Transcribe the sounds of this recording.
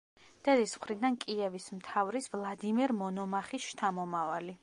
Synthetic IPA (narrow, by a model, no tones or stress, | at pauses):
d̪̥ɛd̪ismχɾid̪ankʼiɛvismt̪ʰavɾisvlˠad̪imɛɾmɔnɔmaχisʃt̪ʰamɔmavali